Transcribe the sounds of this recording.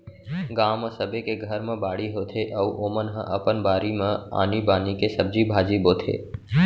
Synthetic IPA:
ɡãːmə̃səbʱekeɡʱəɾmə̃baːɽiɦoːt̪ʰeʔɐuʔoːmənɦə̰̃ʔɐpənbaːɾimə̃a̰ːnibaːnikesəb̚d͡ʒibʱaːd͡ʒiboːt̪ʰḛː

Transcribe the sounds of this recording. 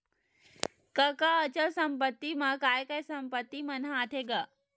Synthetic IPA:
kɐkaːt͡ɕəlsɐmpət̪ːimãkaːjkɐjsɐmpət̪ːimɐnãat̪ʰeɡa

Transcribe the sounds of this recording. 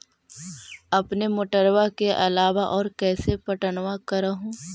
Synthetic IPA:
ɐpnemʊʈəɾwakeʔɐlaːʋaʔɔːɾkɛːsepɐʈənwakɐɾəɦũː

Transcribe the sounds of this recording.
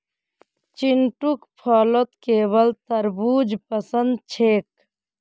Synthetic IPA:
t͡ʃinʈukpʰɔːlot̪keːbəlt̪əɾbuːd͡ʒpəsənd̪̚t͡ʃʰeːk̚

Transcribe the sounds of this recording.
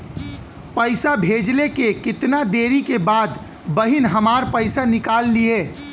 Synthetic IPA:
pəɪsabʱeːd͡ʒlekekɪt̪nad̪eːɾikebaːd̪ | bəɦɪnɦəmaːɾpəɪsanɪkaːlːieː

